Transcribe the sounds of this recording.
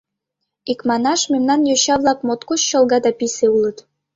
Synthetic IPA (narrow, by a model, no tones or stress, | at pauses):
ikmɑnɑʃmemnɑnjøɕɑβlˠɑk̚mot̪kot͡ɕːɤ̆lˠɣɑd̪ɑpiseulɤ̆t̪